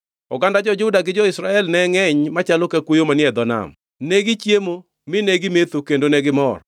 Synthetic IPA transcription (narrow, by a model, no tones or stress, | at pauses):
ɔɡandad͡ʒɔd͡ʒʊdaɡɪd͡ʒɔɪsɾaɛlnɛŋɛɲmat͡ʃalokɛkwojomanɪɛd̪ɔna̰m | neɡɪt͡ʃjemo | mɪneɡɪmet̪okendonɛɡɪmɔr